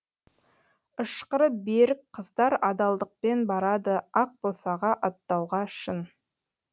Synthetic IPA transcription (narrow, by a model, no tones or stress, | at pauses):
əʃqəɾəbeɾɪkqʰəzd̪ɑɾɑd̪ɑlˠd̪əq̚penbɑɾɑd̪əɑq̚bolˠsɑʁɑʔɑt̪ːɑwʁɑʃən